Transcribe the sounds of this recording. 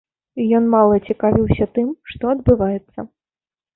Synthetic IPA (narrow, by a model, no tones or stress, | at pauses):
ijɔnmalˠɐt͡sʲikavʲiwsʲɐt̪ɨmʂt̪ɔɐd̪̚bɨvajɛt̪sːɐ̰